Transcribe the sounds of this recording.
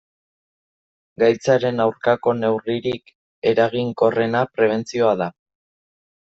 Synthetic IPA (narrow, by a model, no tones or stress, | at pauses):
ɡajt͡saɾe̞nawɾkako̞ne̞wriɾik | e̞ɾaɣ̞iŋko̞re̞napɾe̞β̞e̞nt͡sio̞aða